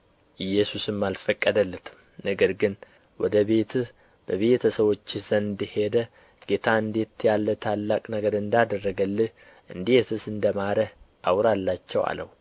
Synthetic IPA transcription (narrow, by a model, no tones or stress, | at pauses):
ʔɨjːɛsusɨmːalfəkʼːəd̪əlːɨt̪ʰm | nəɡəɾɡɨn | wɔd̪əβe̞t̪ʰ | b̥əβe̞t̪ʰəsəβo̞t͡ʃːɪz̥ənɨnd̪ɨhe̞d̪ə | ɡ̥e̞t̪ʰaɨnd̪et̪jalːət̪ʰalːakʼnəɡəɾɨnd̪ad̪ərːəɡəlːɨh | ʔɨnd̪esɨsɨnd̪əmaɾəh | awɾalːat͡ʃːɛwa̰lə̰wu